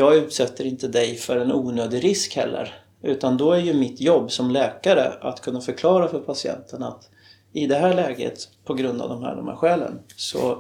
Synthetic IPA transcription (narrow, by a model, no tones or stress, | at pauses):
jɑːɡʉ̟ːt̪sɛt̪ːəɾɪnt̪əd̪ɛjfœɾɛnuːnøːd̪ɪɾɪskhɛ̰lːə̰ɾ | ʉ̟ːt̪and̪ɔæɾjɵmɪt̪ːjɔbːsɔmlɛːkaɾə̰at̪kʰɵnːafœɾkʰlɑːɾafœɾpʰasɪɛ̰nt̪ʰənat̪ | ɪd̪ɛɦæːɭɛːɡə̰t̪pʰɔɡɾɵnd̪a̰vd̪ɔmɦæ̰ːɖɔmhæ̰ːɾɧɛːlə̰nsɔ̰